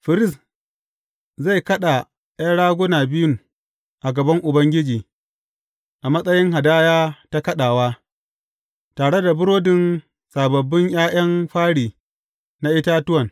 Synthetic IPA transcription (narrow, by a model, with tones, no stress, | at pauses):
ɸɪ˨ɾɪ˦˨s | za˦˨jkɐ˦ɗa˨ | ʔa˦ɽaː˦ɡʷʊ˦naː˨bɪ˦jʊ˦ŋ | ʔa˨ɡɐ˨bɐ˦ŋʔʊ˨bɐ˦ŋɡʲɪ˦d͡ʒiː˨ | ʔa˨mɐ˦sʼɐ˦jɪ˦ŋɦa˨daː˦jaː˦ta˦kɐ˦ɗaː˨waː˦ | taː˨ɽe˦da˨bʊ˦ɾoː˦dɪ˨n | saː˨bɐ˨bːɪ˦ɲj̰aː˦j̰ɐ˦mɸaː˦ɽiː˨ | na˦ʔɪ˦ta˦tʊ˦wɐ˨n